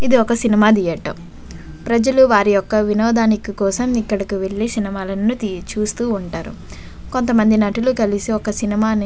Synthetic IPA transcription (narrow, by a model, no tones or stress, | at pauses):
id̪iɔkɐsinimaːd̪ijɐʈɐ̰ | pɾɐd͡ʒɐluʋaːɾijɔkːɐʋinɔːd̪aːnikɐkɔːsɐmikːɐɽɐkiʋe̞ɭːisinimaːlɐnut̪it͡ʃuːst̪uːɳʈaːɾṵ | ko̞nt̪ɐmɐnd̪inɐʈulukɐlisiɔkɐsinimaːni